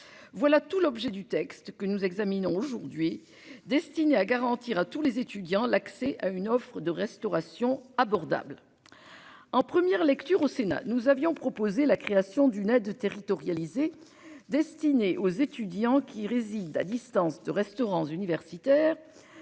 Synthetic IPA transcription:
vwalat̪ulɔbʒɛd̪yt̪ɛkst̪kənuzɛɡzaminɔ̃oʒuʁd̪ɥi | d̪ɛst̪ineaɡaʁɑ̃t̪iʁat̪ulezet̪yd̪jɑ̃laksɛʔaynɔfχəd̪əʁɛst̪ɔʁasjɔ̃abɔʁd̪a̰bl | ɑ̃pχəmjɛʁlɛkt̪yʁosena̰nuzavjɔ̃pχɔpozelakχeasjɔ̃d̪ynɛd̪t̪eʁit̪ɔʁjalize | d̪ɛst̪ineʔozet̪yd̪jɑ̃kʲʰiʁezid̪a̰d̪ist̪ɑ̃sd̪əʁɛst̪ɔʁɑ̃zynivɛʁsit̪ɛːʁ

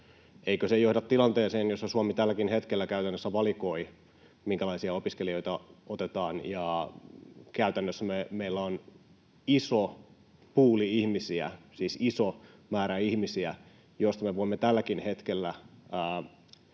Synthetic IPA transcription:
eikøsejohdɑt̪t̪ːilɑnt̪eːseːnjosːɑsuɑmit̪ælːækinhet̪kelːækæyt̪ænːøsːæʋɑliko̞i | miŋkælɑisiɑopiskelio̞jt̪ɑot̪et̪ɑːnjɑ | kæyt̪ænːøsːæmemeilːæon | iso | puːliihmisiæ̰siːsisomæːɾæihmisiæ | jost̪ɑmeʋoimːet̪ælːækinhe̞t̪kelːæː

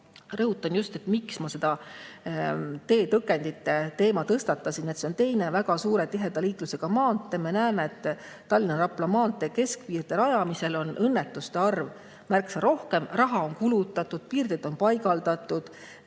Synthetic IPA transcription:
rɤɦut̪ːˑɑnjust̪e̞t̪miksmɑse̞d̪̥ɑ | t̪e̞ːt̪ɤkːˑe̞nd̪it̪ːˑe̞t̪e̞ːmɑt̪ɤst̪ɑt̪ːˑɑsinet̪se̞o̞nt̪e̞jne̞væɡ̥ɑsuːɾe̞t̪iɦe̞d̪̥ɑliːk̪luse̞ɡ̥ɑmɑːnt̪ːˑe̞me̞næːme̞et̪ːˑ | t̪ːɑlʲːineɾɑpˑlɑmɑːnt̪ːˑe̞ke̞skviːrd̪̥eɾɑjɑmise̞lo̞nʔɤnːet̪ːˑust̪e̞ɑrv | mærksɑɾʔo̞hke̞mrɑɦɑo̞nkulut̪ːˑɑt̪ːˑud̪̥̚piːrd̪̥ed̪̥o̞npɑjɡ̥ɑld̪̥ɑt̪ːˑud̪̥

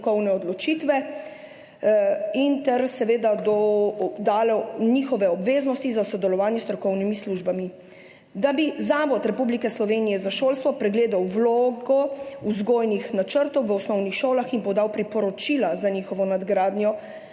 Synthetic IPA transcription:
kɔwnɛɔd̪lɔt͡ʃit̪ʋɛ | int̪ɛɾsɛʋeːd̪ad̪ɔd̪aːlɛɲixɔʋɛɔbʋeːznɔst̪izasɔd̪ɛlɔʋaːnjɛst̪ɾɔkɔwnimisluʒbami | d̪abizaːʋɔt̪ɾɛpublikɛslɔʋeːnijɛzaʃoːlst̪ʋɔpɾɛɡleːd̪awʋloːɡɔuzɡoːjnixnat͡ʃəɾt̪ɔwʋəɔsnɔwnixʃoːlaxinpɔd̪awpɾipɔɾɔt͡ʃilazaɲixɔʋɔnad̪ɡɾaːd̪njɔ

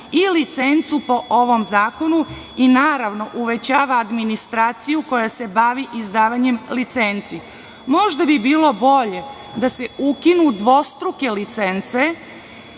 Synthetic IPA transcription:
ilit̪se̞nt̪supo̞ʔo̞ʋo̞mzaːko̞nu | inaːɾaʋno̞ʔuʋe̞t͡ɕaːʋaːd̪minist̪ɾaːt̪sijuko̞jase̞baʋiʔizd̪aːʋaɲe̞mlit̪sent̪si | mo̞ʒd̪abibiːlo̞bo̞ʎe̞ | d̪ase̞ukinud̪ʋo̞st̪ɾuke̞lit̪sent̪se̞

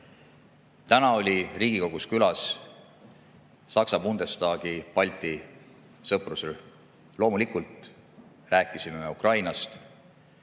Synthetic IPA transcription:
t̪ænɑo̞lʲiriːɡ̥iko̞ɡ̥uskylɑs | sɑksɑbund̪̥e̞st̪ɑːɡ̥ipɑlʲt̪i | sɤprusel | lo̞ːmulikult̪ | ræːkːˑisime̞me̞ukrɑjnɑst̪

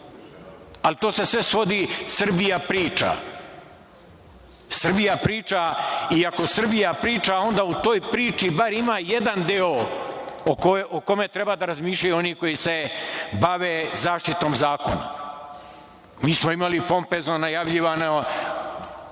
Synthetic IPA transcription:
alit̪oːse̞sʋe̞sʋo̞d̪isɨr̩bijapɾiːt͡ʃa̰ | sɨr̩bijapɾiːt͡ʂaiako̞sɨr̩bijapɾiːt͡ʃao̞nd̪aːut̪o̞ːjpɾiːt͡ʃibaɾimaːje̞d̪and̪eo | okoʔoko̞met̪ɾe̞baːd̪aɾazmiːʃʎajuo̞niko̞jise̞baʋeːzaːʃt̪it̪o̞ːmzaːko̞̰na̰ | miːsmoimalipo̞mpeːznonajaʋʎiʋano

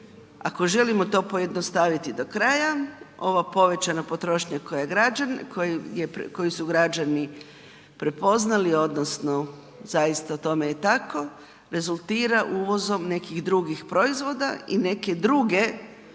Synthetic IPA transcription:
a̰ko̞ʒe̞limo̞t̪o̞ːpo̞je̞d̪nost̪aʋit̪id̪o̞kɾajao̞ʋapo̞ʋe̞t͡ɕanopo̞t̪ɾo̞ːʃɲako̞jaɡɾaankojepko̞jisuɡɾad͡ʑani | pɾe̞po̞znalio̞d̪nosno̞ | zajist̪at̪o̞me̞jet̪ako̞ | ɾe̞zulˠt̪iːɾaʔuːʋo̞zo̞mne̞kiɣd̪ɾuɡixpɾo̞izʋo̞d̪aine̞ke̞d̪ɾuɡe̞

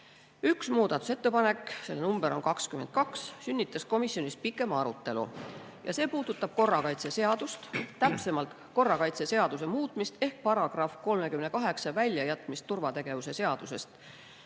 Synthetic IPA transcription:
yksmuːd̪̥ɑt̪ːˑu̥se̞t̪ːe̞pɑne̞kːse̞lːnumb̥eɾo̞nkɑkskyme̞nd̪̚kɑkssynʲːit̪ːˑɑsko̞misjo̞nʲispikːˑe̞mɑɾut̪ːe̞lṵ | jɑ̰se̞ːpuːd̪̥ut̪ːˑɑb̥̚ko̞rːɑkɑjt̪se̞se̞ɑd̪̥ust̪t̪ːæpse̞mɑlt̪ | ko̞rːɑkɑjt̪se̞se̞ɑd̪̥us̬emuːt̪ˑmist̪e̞hk̚pɑɾɑɡ̥rɑfko̞lme̞kymne̞kɑɦe̞ksɑvælʲjɑjæt̪ˑmist̪ːurvɑt̪e̞ɡ̥e̞vuse̞se̞ɑd̪̥use̞st̪

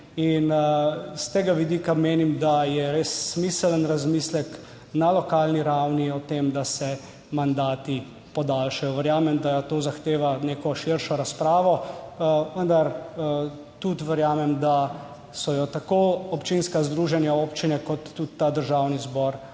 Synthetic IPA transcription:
inst̪eːɡaʋid̪iːkameːnimd̪ajɛɾesːmisələnɾazmislɛk | nalɔkaːlniɾawniɔt̪emd̪asɛ | mand̪aːt̪i | pɔd̪alʃajɔʋəɾjaːmɛmd̪at̪oːzaxt̪eːʋaneːkɔʃiɾʃɔɾaspɾaːʋɔ | ʋənd̪aɾ | t̪ut̪ʋəɾjaːmɛmd̪a | sɔjɔt̪akoɔpt͡ʃinskazd̪ɾuːʒɛnjaoːpt͡ʃinɛkɔt̪ːut̪t̪ːad̪əɾʒaːwnizbɔɾ

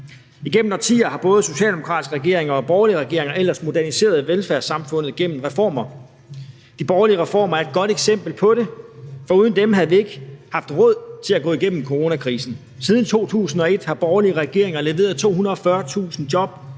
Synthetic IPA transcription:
iɡ̥em̰m̩ɒt͡sʰḭːɐhɑ̈b̥ɔ̽ːð̞̩ˠso̝ɕɛ̰ːld̥emo̝kʰʁɑ̈d̥isɡ̥ʁɛɡ̥e̝ɐ̰e̝ŋɐɒ̽b̥ɒːliəʁɛɡ̥e̝ɐeŋɐel̰ɐsmo̝dæɐnise̝̰ːɐð̞ˠʋelfæɐ̰sɑ̈mfɔ̽n̰ð̩ˠɡ̥en̰m̩ʁɛfɒ̰ːmɐ | d̥ib̥ɒːliəʁɛfɒ̰ːmɐæɐe̝d̥̚ɡ̥ɒ̽ɾ̥eɡ̥sem̰b̥l̩pʰɒ̽ɾ̥e̝fɒ̽uːð̞ˠnd̥emɦæð̩ˠʋie̝ɡ̥hɑ̈fd̥ʁɔ̽ð̞̰ˠt͡sʰe̝læɡ̥ɔ̰ːiɡ̥en̰m̩kʰoʁo̝ːnækʰʁḭːsn̩ | sið̞ˠn̩t͡sʰo̝̰ːt͡sʰṵːsn̩ɒ̽e̝d̥hɑ̈b̥ɒːliəʁɛɡ̥e̝ɐ̰e̝ŋɐle̝ʋe̝̰ːɐð̩ˠt͡sʰo̝̰ːhunɐɒ̽fɶɐt͡sʰṵːsn̩d̥jɒ̽b̥̚

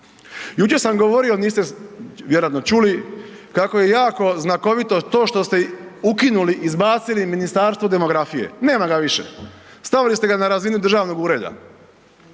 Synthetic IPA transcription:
juːt͡ʃe̞ɾsamɡoʋoɾio̞niːst̪eʋjeɾoat̪not͡ʃuli | kako̞je̞jaːko̞znako̞ʋit̪o̞t̪o̞ːʃt̪o̞st̪eukinuliʔizbaːt̪siliminist̪aɾst̪ʋo̞d̪e̞mo̞ɡɾafije̞̰ne̞ːmaɡaʋiʃḛ | st̪aʋilist̪e̞ɡanaɾazinud̪r̩ʒaːʋno̞ɡuɾe̞ːd̪a̰

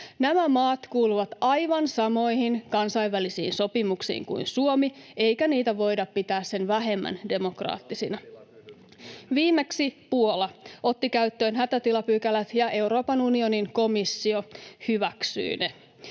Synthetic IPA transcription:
næmæmɑːt̪kuːluʋɑt̪ɑjʋɑnsɑmo̞jhinkɑnsɑjʋʋælisḭːnso̞pimuksḭːŋkṵinsuomie̞jkæniːt̪æʋo̞jdɑppit̪æːsse̞nʋæɦe̞mːæ̰nde̞mo̞krɑ̰ːt̪ːisinɑ | ʋiːmːeksipuolɑʔot̪ːikæyt̪ːø̞ːnɦæt̪æt̪ilɑpyːkælæt̪jɑe̞wɾo̞ːpɑnunio̞niŋko̞misːio̞hyʋæksy̰ine

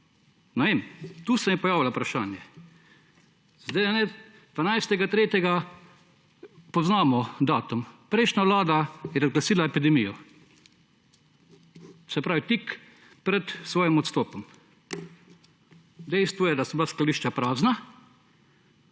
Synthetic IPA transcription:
nɛʋeːmt̪uːsɛmjɛpɔjaːʋilaupɾaʃaːnjɛ | zd̪ɛjanɛ | d̪ʋanajst̪ɛɡat̪ɾeːt̪ʲjɛɡa | pɔznaːmɔd̪aːt̪umpɾɛɪʃnʲjaʋlaːd̪ajɛɾazɡlasiːlaɛpid̪ɛmijɔ | sɛpɾaːʋit̪ik | pɾɛt̪sʋɔːjimɔt̪st̪oːpɔm | d̪ɛɪst̪ʋɔjɛd̪asɔblasklaliːʃt͡ʃapɾaːzna

